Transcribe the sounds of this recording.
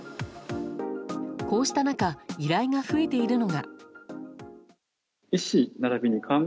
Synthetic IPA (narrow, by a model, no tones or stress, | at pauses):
ko̞ːɕi̥t̪anakaiɾaiɡaɸɯ̟et̪e̞iɾɯ̟no̞ɡa̰ | iɕinaɾabʲiɲ̟ikʰãŋ